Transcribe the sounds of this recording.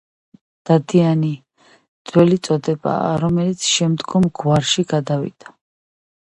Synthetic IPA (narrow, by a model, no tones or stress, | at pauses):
d̪̥ad̪iani | d̪z̥wɛlit̪sʼɔd̪ɛba̰ːɾɔmɛlit̪sʰʃɛmd̪ɡɔmɡwaɾʃiɡad̪avḭd̪̥a